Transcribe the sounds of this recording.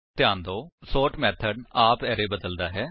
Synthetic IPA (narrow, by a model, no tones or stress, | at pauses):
t̪ɪjãːnd̪oːsoːʈmɛːt̪ʰəɖaːpɛːɾeːbəd̪əld̪aːɦɛː